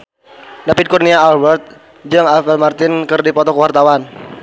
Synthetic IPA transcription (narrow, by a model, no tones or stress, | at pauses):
dapid̪̚kurniaːlbərt̪̚ | d͡ʒɨŋafɛlmart̪ɪnkərdipɔt̪ɔkəwart̪awan